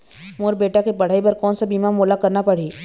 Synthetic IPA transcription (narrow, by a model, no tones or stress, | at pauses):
moːɾbeːʈakepɐɽ̤aːipɐɾkɔːnsabiːmamoːlakɐɾnapɐɽ̤iː